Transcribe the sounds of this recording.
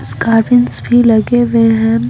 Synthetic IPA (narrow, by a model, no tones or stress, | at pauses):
sɡaːɾbɪnsbʱilɐɡeʋẽɦɛ̃